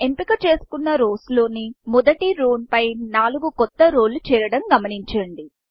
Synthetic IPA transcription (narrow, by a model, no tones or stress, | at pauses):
e̞mpikɐt͡ʃe̞ːsu̥kunːɐɾoːslo̞ːnimɔd̪ɐʈiɾoːnpɐjnaːluɡukɔt̪ːɐɾoːlːut͡ʃɛːɾɐɽɐmɡɐmɐniɲt͡ʃɐɳɖi